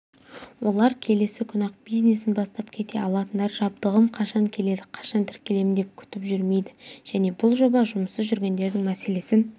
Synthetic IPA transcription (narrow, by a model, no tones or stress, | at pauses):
wʔo̞lˠɑɾkʲʰe̞le̞sɪkʲʰʊnɑq̚bijzne̞sɪnbɑst̪ɑpkʲʰe̞t̪e̞̰ɑlˠɑt̪ənd̪ɑɾʒɑb̚d̪əʁəmqʰɑʃɑŋkʲʰe̞le̞d̪ɪqʰɑ̥ʃɑnt̪ʰɪɾkʲe̞le̞mɪnd̪e̞p̚kʲʰʏ̥t̪ɪpʒʏɾme̞jd̪ɪʒ̥æne̞bʊlˠʒo̞bɑʒʊməsəzʒʏɾɡʲe̞nd̪e̞ɾd̪ɪŋmæse̞le̞sɪn